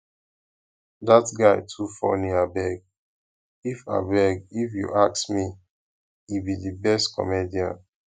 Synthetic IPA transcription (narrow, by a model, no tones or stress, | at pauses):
datɡaɪtʰufɔ̰niabɛɡ̚ | ifa̰bɛɡifjṵʔaksmi | ibidibɛstkʰɔ̰mediãn